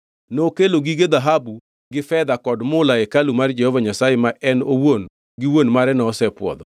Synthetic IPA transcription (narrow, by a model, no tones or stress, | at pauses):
nokeloɡiɡed̪aɦabu | ɡɪfɛd̪akɔdmʊlaɛkalumard͡ʒɛhɔvaɲasajemaɛnowon | ɡɪwonmaɾɛnɔːsɛpwɔ̰d̪ɔ